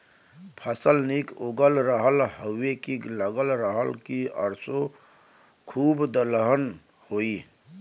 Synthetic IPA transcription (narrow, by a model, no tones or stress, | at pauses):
pʰəsəlnikoɡəlɾəɦəlhəwːekiləɡəlɾəɦəlkiə̰ɾso | kʰuːbd̪ələɦən | hoːi